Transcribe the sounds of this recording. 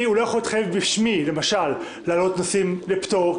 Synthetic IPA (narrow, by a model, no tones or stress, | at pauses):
iulojaχolit̪χajevbiʃmile̞maʃalː | aːlo̞t̪nosimlepto